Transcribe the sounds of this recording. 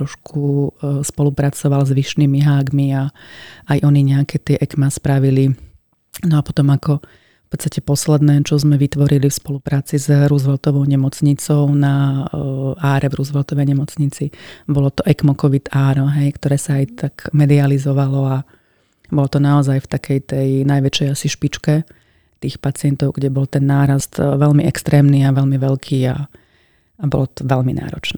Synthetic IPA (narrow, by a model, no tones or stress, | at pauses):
ɾɔʃkʰuspɔlupɾat͡sɔʋalzʋiʃnimiɦaːɡmiaajʔɔniɲɛakɛt̪ɪɛʔɛkmaspɾaʋili | nɔapɔ̥t̪ɔmakɔ | fpɔt̪st̪acɛpɔslɛd̪nɛːt͡ʃɔzmɛʋit̪ʋɔɾilifspɔlupɾaːt͡sizɾuzʋɛlt̪ɔʋɔʊɲɛmɔt͡sɲit͡sɔʊna | aːɾʔɛvɾuzʋɛlt̪ɔʋɛjɲɛmɔt͡sɲit͡sibɔlɔt̪ɔʔɛkmɔkɔʋit̪aːɾɔɦɛjkt̪ɔɾɛːsaːjt̪akmɛd̪ializɔʋalɔa | bɔlɔt̪ɔnaɔzajft̪akʰɛjt̪ɛjnajʋɛt͡ʃɛjasiʃpit͡ʃkɛ | t̪iːxpat͡sɪɛnt̪ɔʊɡɟɛbɔlt̪ɛnːaːɾast̪ʋɛlmiʔɛkst̪ɾɛːmniaʋɛlmiʋɛlkʰiːa | abɔ̰lɔt̪ɔ̥ʋɛʎmḭna̰ːɾɔ̰t͡ʃnɛː